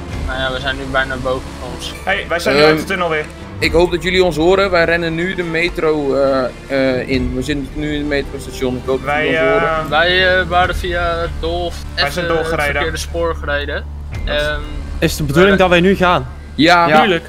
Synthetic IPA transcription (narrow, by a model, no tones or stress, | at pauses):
najaʋɛjzɛjnːybɛjnabowvənfɔnɔnshejʋɛjsɛtɪnɔlˠʋɪ | ɪkɦowp̚dɔtjøliɔns̬ɦoːɾəʋɛjrɛnənːydəmeːtrow | ɪnʋəjzɪtəntnyɪndəmeːtrostasjonɪkhoːp̚ɛjoːɾəʋɛjʋaːɾəfiadolˠf | ɛɛdorjdəɪdəspʊːɹχərejdə | ɪsdəbədulɪŋdɔtʋɛjnyxaːn | jalək